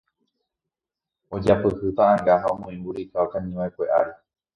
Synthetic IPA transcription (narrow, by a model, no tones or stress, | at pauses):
o̞d͡ʒapɨhɨt̪aʔãŋɡaɦaomõĩmbuɾikaokãɲĩʋajkʷe̞ʔa̰ɾe